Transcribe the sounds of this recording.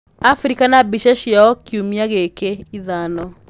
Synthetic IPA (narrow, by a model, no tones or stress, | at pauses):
afɾikanabiʃaʃjaɔkiumiaɣekeiðanɔ